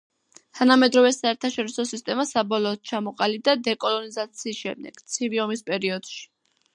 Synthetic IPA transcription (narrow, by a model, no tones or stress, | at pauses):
t̪ʰanamɛd̪ɾɔvɛsaɛɾt̪ʰaʃɔɾisɔsist̪ʼɛmasabɔlˠɔːt̪̚t͡ʃʰamɔqʼalib̚d̪ad̪ɛkʼɔlˠɔnizat̪sʰiːsʃɛ̰md̪ɛ̰ɡ̥t̪sʰiviɔmispʼɛɾiɔd̪̥ʃi̥